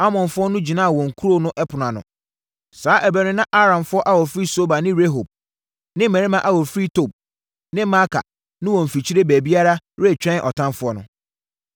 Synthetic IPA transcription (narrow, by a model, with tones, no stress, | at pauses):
a˦mɔ̃˨nfʊ˦ɔ˦nʊ̃˦d͡ʑi˨nãː˦a˨wɔ̃˨ŋ̩˨kʰu˦ɾo˦nʊ̃˦ʔɛ˦pʰʊ˨nã˨nʊ̰̃˨ | saː˨˦ʔæ˨bæ˨ɾɪ̃˦nã˦ʔa˦ɾã˨nfʊ˦ɔ˦ʔa˦wɔ˨fi˦so˦ba˨nɪ̃˦ɾe˦ɦo˨b̚ | nɪ̃˦mɛ˨ɾi˦mã˨ʔa˨wɔ˨fɾi˦tʰo˨b̚ | nɪ̃˦ma˦kʰa̰˨ | nɪ̃˦wɔ̃˨m̩˨fi˨t͡ɕʰi˦ɾe˦bæ˨bi˦a˦ɾa˦ɾe˦˨t͡ɕᶣɛ̃˦n˨ʔɔ̰˨tʰã˦mfʊ˦ɔ˦nʊ̰̃˨